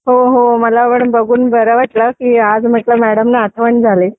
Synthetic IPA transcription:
ɦoɦoməlapəɳbəɡʱuːnbəɾəʋaʈləkiːad͡zm̤əʈləmæɽəmnaːt̪ʰəʋəɳd͡zʱale

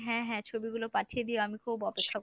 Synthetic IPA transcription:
ɦɛ̃ɦɛ̃t͡ɕʰobiɡulopaʈʰied̪ioamikʰubɔpekʰːak

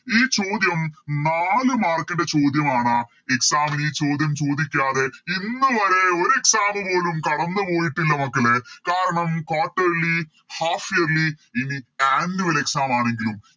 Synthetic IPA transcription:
iːt͡ɕo̞ːd̪jɐmnaːlɨmaːrkːɐɳɖe̞t͡ɕo̞ːd̪jɐmaːɳɐ | eksaːmɐniːt͡ɕo̞ːd̪jɐmt͡ɕo̞ːd̪ikʲːaːðe̞inːɨʋɐɾe̞o̞ɾe̞ksaːmɨpo̞ːlumkɐɽɐnːɨpo̞ːjiʈːilːɐmɐkːɐɭekaːɾɐɳɐmkaːʈːeli | haːfijɐɾliiniaːndiʋɐle̞ksaːmaːɳe̞ŋɡilum

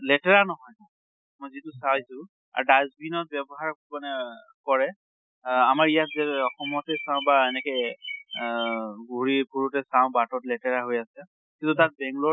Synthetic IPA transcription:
lɛtɛɹanɔɦɔjka | mɔjzitʊsaisʊ̃ | a̰ɹdazbinɔt̚bɛbɔɦaɹkukɔnɛ | kɔɹɛ | amaɹijatzɛɔxɔmɔtɛsãʊ̃baɛnɛkɔj | ɡuɹipʰuɹutɛsaʊ̃batɔtlɛtɛɹaɦojasɛ | kintutat̚bɛŋɡlɔ

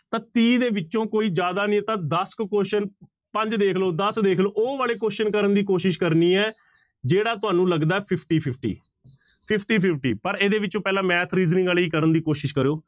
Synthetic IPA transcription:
t̪ãːt̪iːd̪eːʋɪt͡ʃːõːkoːiːd͡ʒjaːd̪aːnĩːt̪ãːd̪əskkoːʃən | pəɲd͡ʒd̪eːkʰloːd̪əsd̪eːkʰloːʔoːʋaːleːkoːʃənkəɾənd̪iːkoːʃɪʃkəɾniːɛː | d͡ʒeːɽaːt̪̬ʊaːnũːləɡd̪aːɛːpʰɪpʰʈiːpʰɪpʰʈḭː | pʰɪpʰʈiːpʰɪpʰʈiːpəɾeːd̪eːʋɪt͡ʃːõːpɛːlãːmɛːt̪ʰɾiːznɪ̃ŋɡaːleiːkəɾənd̪iːkoːʃɪʃkəɾoː

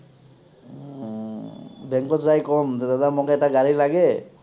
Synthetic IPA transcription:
bɛŋkɔtzajkɔmzɛd̪adamɔkɛtaɡaɹilaɡɛ

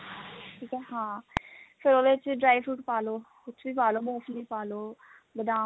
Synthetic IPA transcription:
ʈʰiːkɛːɦãːpʰɪɾoːd̪et͡ʃɖɾaːiʋɾuːʈpaːloː | ʊt͡ʃʰːbiːpaːloːmoːfʰliːpaːloː | bəd̪ãː

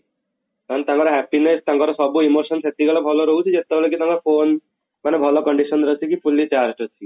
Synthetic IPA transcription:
k̪ant̪ãŋkɔɾaɦɛpineɾt̪ãŋkɔɾɔsɔbuimoɾʃɔnset̪iɡɔlɔbʱɔloɾoɦut͡ʃʰid͡ʑet̪ːeolekit̪aŋɔɾfon | manebʱɔlokɔɳɖiʃɔnɾot͡ʃʰikifʰulːit͡ɕaɾʈɔt͡ɕʰi

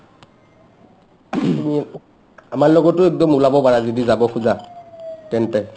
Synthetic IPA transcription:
mi | amaɹlɔɡɔtːʊɛk̚dɔmulabɔpaɹazɔdizabɔkʰuza | tɛntɛ

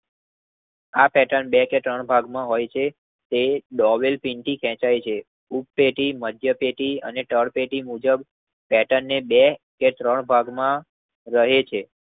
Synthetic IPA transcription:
apɛʈəɳbɛket̪ɾəɳbʱaɡmãɦojt͡ʃʰe | t̪eɖɔʋelpiɳʈikʰɛ̃t͡ʃajt͡ʃʰe | upːeʈiməd̪ʱjəpeʈiəneʈəɽpeʈimud͡ʒəb | pɛʈənːebeket̪ɾəɳbʱaɡmã | ɾəɦet͡ʃʰe

